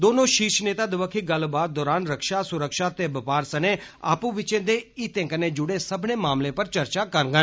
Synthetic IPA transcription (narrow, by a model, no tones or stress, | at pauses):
d̪oːnõːʃiːʃneːt̪aːd̪ɪʋəkʰːiːɡəlbaːt̪̚d̪ɔːɾaːnɾəkʃaːsʊɾəkʃaːt̪eːbəpaːɾsəneː | a̰ːpũːʋɪt͡ʃẽːd̪eːiːt̪ẽːkəneːd͡ʒʊɽeːsəbneːmaːmlẽːpəɾt͡ʃəɾt͡ʃaːkəɾɡə